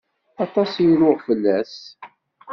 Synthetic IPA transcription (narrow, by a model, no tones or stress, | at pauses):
ɑt̪ˤɑsjlʊʁfəlːæs